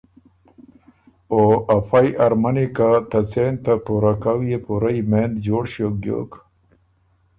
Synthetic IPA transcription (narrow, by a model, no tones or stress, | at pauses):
oɐpʰajʔɐɾmɐnikat̪ɐt͡sent̪apuɾakawijepuɾaimeːnd͡ʑoːɽɕok̚ɡjo̰ːk